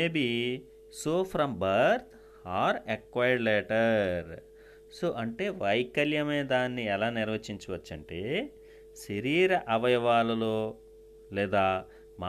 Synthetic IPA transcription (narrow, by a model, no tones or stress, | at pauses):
eːbi | soːpʰɾɐmbɐɾt̪ | haːɾekʋaːjɖleːʈɐɾ | soːʔɐɳʈe̞ːʋɐjkɐljɐmeːd̪aːnːiɛlaːniɾʋɐt͡ʃiɲt͡ʃɐʋɐt͡ʃːɐɳʈeː | ʃɐɾiːɾɐʔɐʋɐjɐʋaːlɐloː | lɛːd̪aː | ma